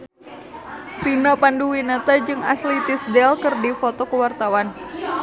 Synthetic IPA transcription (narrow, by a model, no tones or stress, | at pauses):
finapanduwinat̪ad͡ʒɨŋa̰slit̪isdɛlkɨrdifot̪ɔkəwart̪awan